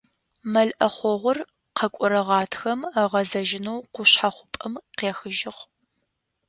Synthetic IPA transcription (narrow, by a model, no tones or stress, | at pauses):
mɐɮʔɐχʷɔʁʷʊr | qʰɐkʷʼʊɾɐʁɑːtʰxɐmɐʁɐzɐʒɪnowqʷʊɕħaχʷʊ̥pʼɐmqeːxɨʒɪχ